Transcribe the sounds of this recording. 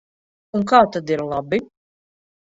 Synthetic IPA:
uŋkaːt̪ad̪iɾlˠabi

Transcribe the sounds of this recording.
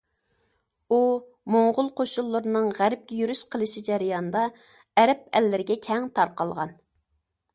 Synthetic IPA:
u | moŋʁʊlˠqoʃulˠːʊɾɨnɨŋʁæɾɪp̚kʲɛjyɾyʃqʰəlˠɨʃid͡ʒɛɾɪjɑnd̪ɑ | ɛɾɛp̚ɛlːɪɾɪɡʲɛkʲʰɛŋt̪ʰɑɾqɑlˠʁɑ̰n

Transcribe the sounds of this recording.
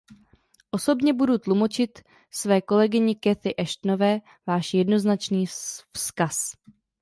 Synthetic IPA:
ʔo̞so̞bɲɛbudut̪lumo̞t͡ʃɪt̪ | svɛːko̞lɛɡɪɲɪkɛθɪʔɛʃt̪no̞vɛː | vaːʃjɛdno̞znat͡ʃniːfskas

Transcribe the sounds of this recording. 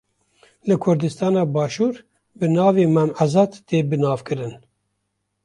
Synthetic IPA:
lɨkʰʊɾd̪ɨst̪ɑːnɑːbɑːʃuːɾ | bɨnɑːveːmɛmazɑd̪t̪eːbɨnɑːvkɨɾɨn

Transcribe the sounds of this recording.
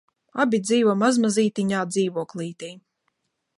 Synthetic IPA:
abʲid̪ziːvɔmazmaziːt̪iɲaːd̪ziːvuɔklˠiːt̪iː

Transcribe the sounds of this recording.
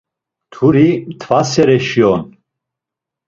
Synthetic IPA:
t̪ʰuɾimt̪ʰvasɛɾɛʃiɔn

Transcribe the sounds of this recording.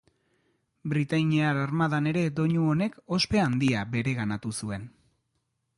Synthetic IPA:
bɾit̪aɲiaɾaɾmaðane̞ɾe̞d̪o̞ɲuo̞ne̞ko̞spe̞and̪iabe̞ɾe̞ɣanat̪usue̞n

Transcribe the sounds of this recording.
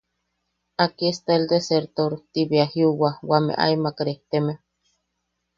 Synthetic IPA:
akiest̪aeld̪eseɾt̪oɾt̪iβeahiuwawamḛʔa̰imakɾeht̪eme

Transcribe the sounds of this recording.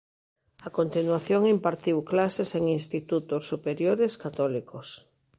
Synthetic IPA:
akont̪inwaθjoŋimpaɾt̪iwklaseseŋinst̪it̪ut̪osːupeɾjoɾeskat̪ɔlikos

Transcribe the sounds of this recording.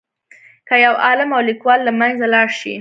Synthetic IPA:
kəjawɑlɪmawlikwɑlːamanzalɑɽʃḭ

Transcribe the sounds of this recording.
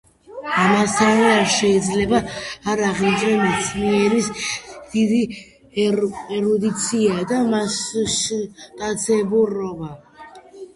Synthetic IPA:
amast̪ʰavɛaɾʃɛid̪zlɛbaːɾaʁnit͡ʃʼɾɛmɛt̪sʰniɛɾisd̪̥id̪i | ɛɾɔd̪it̪sʰiad̪amasʃt̪ʼat̪sʰɛbuɾɔba

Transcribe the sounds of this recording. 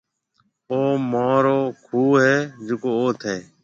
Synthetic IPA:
oːmaːɾoːkʰuːɦeːd͡ʒʊkoːoːt̪ʰeː

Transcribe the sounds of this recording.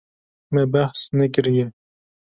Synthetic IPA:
mɛbæhsnɛkɨɾjɛ

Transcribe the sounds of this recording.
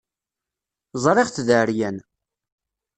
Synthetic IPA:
zˤɾˤɪʁθðəɾjæn

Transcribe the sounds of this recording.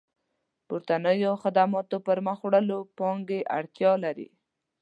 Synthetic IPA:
pʊɾt̪anəjoxad̪amɑt̪opəɾməxwɽəlopɑŋɡeʔa̰ɽt̪jɑlaɾḭ

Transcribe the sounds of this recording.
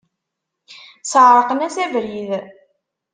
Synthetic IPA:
səʕɾˤəqənæsævɾið

